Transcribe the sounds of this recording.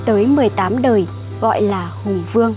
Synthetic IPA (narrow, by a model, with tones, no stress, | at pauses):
t̪əː˨˦jmɨ˨˩əjt̪aː˨˦mɗəː˨˩j | ɣɔ̰˧˨jlaː˨˩hʊ˨˩ŋ͡mvɨ˧əŋ